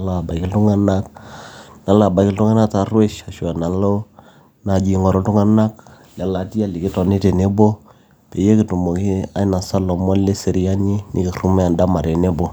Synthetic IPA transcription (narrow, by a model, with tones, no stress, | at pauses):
la˦a˨ba˨ki˦ltʊ˦ŋa˦na˦k̚ | na˨la˨ba˨kɪ˦ltʊ˦ŋa˦na˦ta˨rwe˦ʃa˨ʃu˨a˨na˨lo˦ | na˨d͡ʒi˨ŋɔ˨ɾo˦tʊ˦ŋa˦na˦k | la˨la˨ti˦a˦˨li˨kɪ˦tɔ˨ne˦te˨ne˦bo˦ | pe˨je˦kɪ˨tu˨mo˨ki˦a̰˦jna˨sa˦lɔ˨mɔ˦le˦se˨ɾi˦a˦ɲi˦nɪ˨kɪ˨ru˦mɛ˦a˨nda˦ma˨ɾe˨ne˦bo˦